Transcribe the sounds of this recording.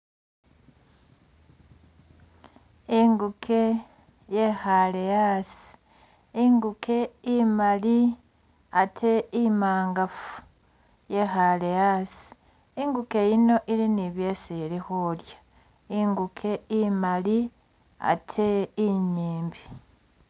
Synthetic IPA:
iŋɡukʰe̞ | je̞xale̞jaːsi̥ | iŋɡukʰe̞imali | atʰe̞imaːŋɡafu̥ | je̞xale̞jasi̥ | iŋɡuke̞jino̞ʔiliniβje̞ːsilixulja | iŋɡukʰe̞imali | a̰tʰe̞ːɲiːmbi

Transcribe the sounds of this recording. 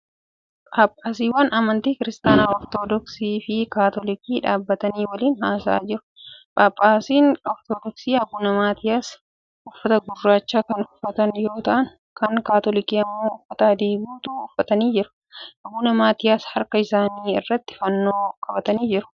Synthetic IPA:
paːpʼːaːsiːwɐnʔɐmɐnt̪iːkɪɾɪst̪aːnaːɔɾt̪oːd̪ɔksiːfɪkaːt̪ɔlɪkiːᶑaːbːɐt̪ɐniːwɐliːnhaːsa̰ːd͡ʒɪɾʊ̥pʼaːpʼːaːsiːnɔɾt̪oːd̪ɔksiːhɐbuːnɐmaːt̪ɪjaːs | ʔʊfːɐt̪ɐɡʊrːaːt͡ʃːaːkɐnʊfːɐt̪ɐnjo̞ːt̪ɐʔɐŋ | kɐŋkaːt̪ɔlɪkiːɐmːo̞ːʊfːɐt̪aːd̪eːbuːt̪uːʊfːɐt̪ɐniːd͡ʒɪɾʊ̥ | ʔɐbuːnɐmaːt̪ɪjaːshɐɾkɐɪsaːniːɪ̰rːɐt̪ːɪ̥fɐnːo̞ːkʰʼɐbɐt̪ɐniːd͡ʒɪɾʊ̥

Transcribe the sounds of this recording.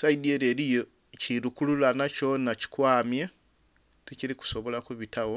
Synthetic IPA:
saidieɾeɾijo | ciɾukululanat͡ʃonaci̥kwaːmja | ticiɾiku̥so̞βo̞lakuβitawo

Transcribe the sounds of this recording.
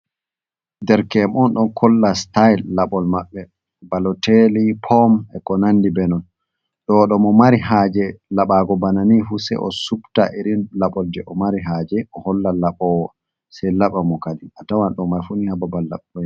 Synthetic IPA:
dɛɾkɛmɔnɗɔnkʰɔlːastajlːaɓɔlmaɓːɛ | balɔtelipʰɔmɛkɔnanːdibɛnɔn | ɗɔɗɔmɔmaɾihaːd͡ʒɛlaɓaːɡɔbananifusɛ̰jʔɔ̰sukta̰ʔiɾinlaɓɔldɛʔɔmaɾiɦad͡ʒɛʔɔhɔlːalaɓɔwa | sɛjlaɓamɔkaliatawanɗɔmːaɾfunihababalːa̰ɓɔ

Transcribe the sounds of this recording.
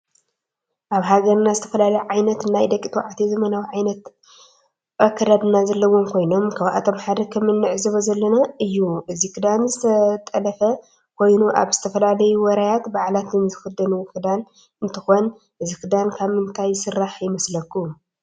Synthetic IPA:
ʔaβɦaɡɐɾnazɨt̪ʰɐ̥fɐlalɐjuʕajnɐt̪nːajd̪ɐkʼːit̪ʰwʕat̪ʰezɐmɐnawiʕajnɐt̪ | bʼɐkʰːɐɾad̪ɨnazɐlːɐwːo̞mkʰo̞jno̞mkʰaβʔa̰t̪ʰo̞mħad̪ɐkʰɐmːɨnːɨʕzɨβozɐlːɐnaɨjːuʔɨzikʰɨd̪anzɨt̪ʰɐt̪ʼɐlɐfɐ | kʰo̞jnuʔa̰βz̥ɨt̪ʰɐfɐlalɐjuwɐɾajat̪baʕlat̪ʰɨnzɨxɨd̪ɐnuwkʰɨd̪an | ɨnt̪ʰɨxon | ʔɨzikɨd̪ankʰaβmɨnt̪ʰajsɨrːaħjɪmɐslɐkːu

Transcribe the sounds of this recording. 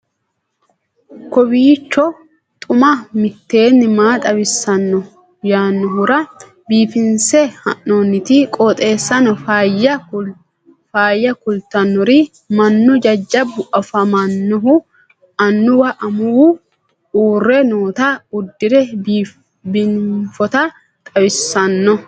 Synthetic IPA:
kɔbiːt͡ʃːɔ | t̪ʼʊmɐmɪt̪ːe̞ːnːɪmaːt̪ʼɐbɪsːɐnːɔ | jaːnːɔɦʊɾɐ | biːfɪnsɛhɐ̰nːoːnːɪt̪ɪkʼɔt̪ʼe̞ːsːɐnɔfjɐ | faːjːɐkʊlt̪ɐnːɔɾi | mɐnːɔd͡ʒɐd͡ʒːɐbːʊʔɐfɐmɐnːɔɦʊ | ɐnːʊwɐʔɐmʊwʊ | uːrːɛnoːt̪ɐʊd̪ːɪɾɛ | bɪnfɔt̪ɐ | t̪ʼɐbɪsːɐnːɔ

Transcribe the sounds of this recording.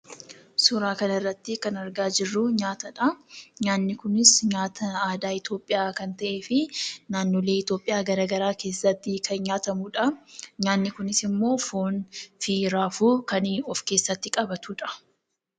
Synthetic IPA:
sʊɾaːkɐnɪrːɐt̪ːɪkɐnɐɾɡaːd͡ʒɪrːʊɲaːt̪ɐᶑɐɲaːnːɪkʊnɪsɲaːt̪ʰɐaːd̪aːɪt̪jo̞ːpʼːɪjaːkɐnt̪ɐʔe̞ːfɪnaːnːoːle̞ːɪt̪jo̞ːpʼːɪjaːɡɐɾaːɡɐɾaːke̞ːsːɐt̪ːɪkʰɐnɲaːt̪ɐmuːᶑɐɲaːnːɪkʊnɪsɪmːo̞ːfoːnfiːɾaːfuːkɐniɔfke̞ːsːɐt̪ːɪkʼɐbɐt̪uːᶑɐ̥

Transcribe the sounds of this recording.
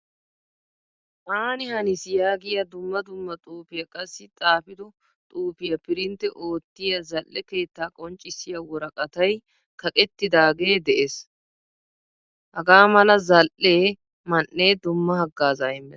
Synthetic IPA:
ʔaːnɪhɐnɪsjaːɡɪjɐd̪ʊmːɐd̪ʊmːɐt̪ʼuːpɪjɐkʼɐsːɪt͡s̪ʼaːfɪd̪ɔ | t̪ʼuːpɪjɐpɪɾɪnt̪ːɛʔo̞ːt̪ːɪjɐzɐlʔːɛke̞ːt̪ːaːkʼɔnt͡ʃʼːɪsːɪjɐwɔɾɐkʼɐt̪ɐj | kʰɐkʼɛt̪ːɪd̪aːɡe̞ːd̪ɛʔes | hɐɡaːmɐlɐzɐlʔːeː | mɐnʔːeːd̪ʊmːɐhɐɡːaːzaɪmːɛ

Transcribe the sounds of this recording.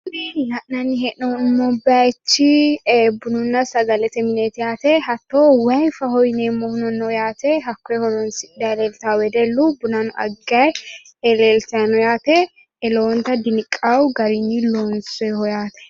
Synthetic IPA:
neːnjɐʔnɐnːɪɦɛʔnɔmːɔbɪat͡ʃːɪbʊnʊnːɐsɐɡɐlɛt̪ɛmɪnet̪ɪjaːt̪ɛhɐt̪ːoːwɐjfɐhɔjnemːɔhʊnɔnːɔjaːt̪ɛɦɐkːɔɛhɔlɔnsɪd̪ɐlɛlt̪awɛd̪ɛlːubʊnɐnʊʔɐ̰ɡːɐj | ɛlɛlt̪ɐnɔjaːt̪ɛ | ɛloːnt̪ɐd̪ɪnɪkʼːɐwɡɐɾɪnːɪloːnsɛhɔjaːt̪ɛ̥

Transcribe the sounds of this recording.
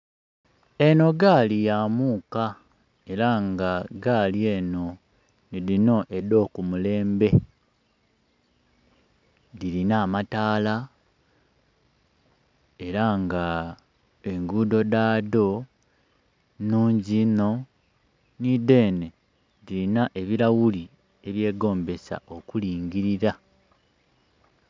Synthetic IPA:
e̞no̞ɡaːlijamuːka | e̞ɾaŋɡaɡaːlieno̞ | niðino̞ʔedo̞ːkumule̞ːmbe̞ | dilinamataːla | e̞ɾaŋɡa | e̞ŋɡuːdo̞daːdo̞ | nuːɲɟino̞ | nide̞ːne̞ | ðiɾinaʔe̞βiɾawuli | e̞βje̞ːɡo̞ːmbe̞sa̰ʔo̞kuliːŋɡiɾiɾa

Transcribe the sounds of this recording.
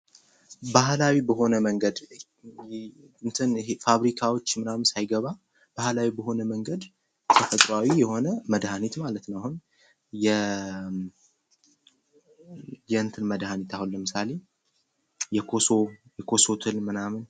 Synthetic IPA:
bahlawibəɦo̞nəməŋɡəd̪ | ɨnt̪ʰɨnɦefaβɾikʰawo̞t͡ʃːmɨnamɨnsajɡəβa | b̥ahlawibəɦo̞nəməŋɡəd̪ | t̪ʰəfət̪ʼɾawijɛho̞nəməd̪hanit̪malət̪nəwahun | jɛ | jɛɨnt̪ʰɨnməd̪hanit̪ʰahunlːəmɨsale̞ | jɛkʰosojɛkʰo̞sot̪ʰɨlmɨnamɨn

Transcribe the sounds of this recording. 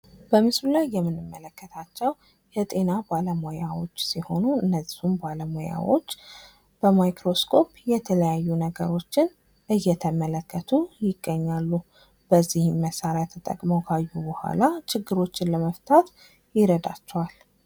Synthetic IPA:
b̥əmɨslulajːɛmːɨnːɨmːələkːət̪ʰat͡ʃːɛw | jɛt̪ʼe̞nabaləmojawo̞̰t͡ʃːsiho̞nuɨnːəzihumbaləmoja̰wo̞̰t͡ʃː | b̥əmajkɾo̞skʰo̞pjɛt̪ʰələjajːunəɡəɾo̞t͡ʃːɪn | ʔɨjːɛt̪ʰəmələkːət̪ʰujɪɡːəɲːalːu | b̥əzːihmːəsaɾjat̪ʰət̪ʼə̰kʼməwkʰajːubəhʷa̰lat͡ʃɪɡːɨɾo̞t͡ʃːɪnləməft̪ʰat̪ | jɪɾəd̪a̰t͡ʃːɛwal

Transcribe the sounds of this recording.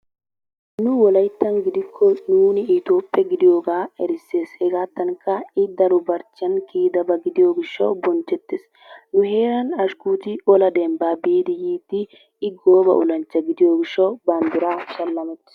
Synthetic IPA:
nʊwɔlɐjt̪ːɐnɡɪd̪ɪkʰːɔnuːnɪːt̪o̞ːpʼːɛɡɪd̪ɪjo̞ːɡaːɛɾɪsːe̞ːshɛɡaːt̪ːɐŋkːɐɪd̪ɐɾʊbɐɾt͡ʃːɪɐnkiːd̪ɐbɐɡɪd̪ɪjoːɡɪʃːɐ̰wbɔnt͡ʃːɛt̪ːes | nʊɦeːɾɐnɐʃkuːt̪ɪɔlɐd̪ɛmbaːbiːd̪ɪjiːd̪ɪ | ɪɡoːbɐ̰ʔʊ̰lɐnt͡ʃːɐɡɪd̪ɪjoːɡɪʃːɐwbɐnd̪ʊɾaːʃɐlːɐmɛt̪ːɪ̥s

